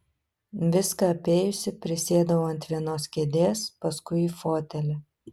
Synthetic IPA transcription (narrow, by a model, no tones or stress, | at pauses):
ʋʲɪskɐɐpʲeːjʊsʲɪpʲɾʲɪsʲeːd̪ɐʋoːɐnʲt̪ʲʋʲiɛnoːskʲed̪ʲeːspɐskʊɪiːfoːt̪ʲɛlʲɛ